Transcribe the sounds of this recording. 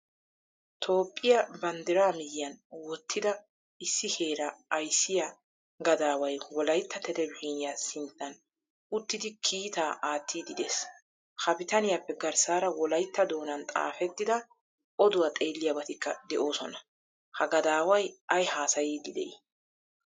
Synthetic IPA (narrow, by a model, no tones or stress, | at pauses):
t̪ʰo̞ːpʼːɪjɐbɐnd̪ɪɾaːmɪjɪjɐnwɔt̪ːɪd̪ɐ | ɪsːɪhe̞ːɾɐːjsːɪja | ɡɐd̪aːwɐjwɔlɐjt̪ːɐt̪ɛt̪ɛbhiːnɪjasɪnt̪ːɐn | ʊt̪ːɪd̪ɪkʰiːt̪aːʔaːt̪ʰːiːd̪ɪd̪eːs | hɐpɪt̪ɐnɪjapːɛɡɐɾsaːɾɐwɔlɐjt̪ːɐd̪o̞ːnɐnt̪ʼa̰ːfɛt̪ːɪd̪ɐ | ʔɔd̪ʊwɐt̪ʼe̞ːlːɪjabɐt̪ɪkːɐd̪ɛʔo̞ːsɔnɐ | hɐɡɐd̪aːwɐjɐjhaːsɐjiːd̪ɪd̪ɛ̰ʔḭ